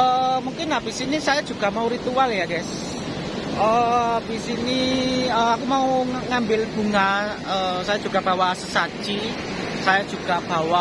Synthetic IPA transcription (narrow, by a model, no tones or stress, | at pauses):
əmuŋkɪnab̥isinisajḁʒ̥ṳɡ̥a̤mauɾit̪ualjaɡɛs | əb̥isiniəakumauŋambɪlb̥ṳŋa | əsajḁʒ̥ṳɡ̥ab̥a̤wasəsḁd͡ʒi | sajad̥ʒ̥ṳɡ̥a̤b̥a̤wa